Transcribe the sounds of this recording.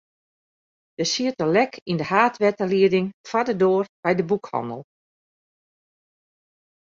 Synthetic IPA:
d̥əsiətəlɛkʰindəhaːtʋɛtəliədɪŋfadədoːərb̥ɛjdəbukhɔ̰ndə̰lˠ

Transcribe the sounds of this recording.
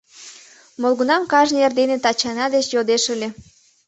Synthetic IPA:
molɣunɑmkɑʒneerd̪enet̪ɑt͡ɕɑnɑd̪et͡ɕjod̪eʃəlʲe

